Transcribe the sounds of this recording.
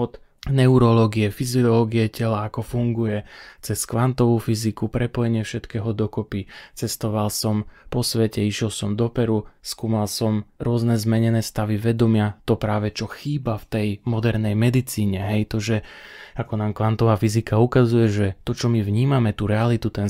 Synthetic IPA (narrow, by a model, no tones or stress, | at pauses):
ɔt̪ | nɛuɾɔlɔɡiɛfiziɔlɔɡiɛcɛlaːkɔfuŋɡujɛt͡sɛskʋant̪ɔʋuːfizikupɾɛpɔjɛɲɪɛfʃɛt̪kɛːɦɔd̪ɔkɔpit͡sɛst̪ɔʋalsɔmpɔsʋɛcɛiʃɛlsɔmd̪ɔpɛɾuskuːmalsɔmɾʊɔznɛzmɛɲɛnɛːst̪aʋiʋɛd̪ɔmɪat̪ɔpɾaːʋɛt͡ʃɔxiːbaft̪ɛjmɔd̪ɛɾnɛjmɛd̪it͡siːɲɛɦɛjt̪ɔʒɛakɔnaːmkʋant̪ɔʋaːfizikaukazujɛʒɛt̪ɔt͡ʃɔmivɲiːmamɛt̪uɾɛalit̪ut̪ɛn